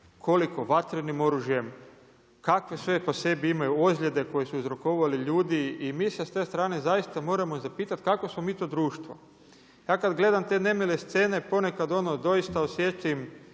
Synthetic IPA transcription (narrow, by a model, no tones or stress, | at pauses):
kʰo̞liko̞ʋat̪ɾenimo̞ɾuʒje̞m | kakʋe̞sʋe̞po̞se̞biimajuozlʎʲe̞d̪e̞ko̞jesuuzɾo̞koʋaliʎuːd̪iimiːsest̪e̞ːst̪ɾaːne̞zajist̪amo̞ːɾamozapiːt̪at̪kako̞smo̞miːt̪o̞ːd̪ɾuːʃt̪ʋo | jaːkad̪ɡle̞d̪amt̪e̞ne̞mele̞st̪se̞ːne̞po̞ne̞kad̪o̞nod̪o̞jist̪aosjet͡ʃ̪im